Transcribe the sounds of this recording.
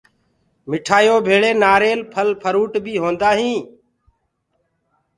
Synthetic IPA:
mɪʈʰaːjoːbʱeːɭeːnaːɾeːlpʰəlpʰəɾuːʈbʱiːɦõːnd̪aːɦĩː

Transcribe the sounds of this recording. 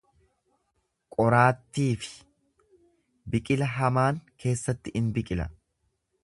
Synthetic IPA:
kʼɔɾaːt̪ːiːfɪ̥ | bɪkʼɪlɐɦɐmaːŋkʰe̞ːsːɐt̪ːɪʔɪnbɪkʼɪlɐ̰

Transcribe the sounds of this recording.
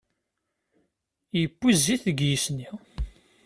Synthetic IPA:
jəpːizːiθəɡjisni

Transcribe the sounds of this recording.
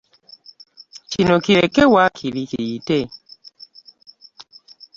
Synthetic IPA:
t͡ʃinokiɾekɛwakʰilikiite

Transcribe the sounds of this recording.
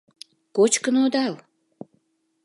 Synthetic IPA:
kot͡ɕkənod̪ɑl

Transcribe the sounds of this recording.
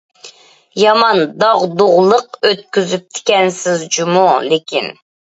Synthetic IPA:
jɑmɑnd̪ɑʁd̪oʁlˠəqøt̪̚kʲyzyp̚t̪ʰɪ̥kʲɛnsɪzd͡ʒumulɪkʲin

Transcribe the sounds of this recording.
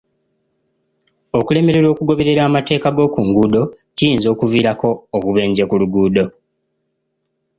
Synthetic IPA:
o̞kule̞me̞ɾe̞ɾo̞ːkuɡo̞βe̞ɾe̞ɾaːmate̞ːkaɡo̞ːkuŋɡuːdo̞ | cijiːnzo̞ːkuviːɾako̞ːβuβe̞ːɲɟekuluɡuːdo̞

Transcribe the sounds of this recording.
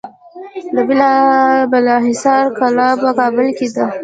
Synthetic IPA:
d̪əbɪlɑbɪlɑɦɪsɑɾkalɑpəkɑbɪlked̪a

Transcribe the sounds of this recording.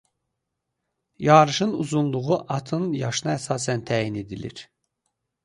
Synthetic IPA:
jɑːɾɯʃɯnṵzunlˠuʁuʔɑt̪ʰɯnjɑʃɯnɑæsɑːsænt̪ʰæːjine̞d̪ilḭɾ̥

